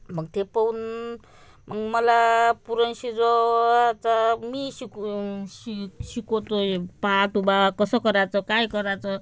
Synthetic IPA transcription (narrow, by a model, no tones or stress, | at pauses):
bʱʌɡt̪ʰepɔun | mʔaŋmʌlapuɾʌnsid͡zɔt͡samisiksisikot̪opatubakʌsɔkʌɾat͡sʌkajkʌɾat͡sʰʌ